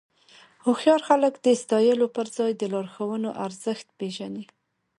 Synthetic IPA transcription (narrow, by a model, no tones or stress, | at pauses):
hʊxjɑɾxaləkd̪əst̪ɑjəlopəɾzɑjd̪əlɑɾxawənoʔaɾzəxt̪peʒani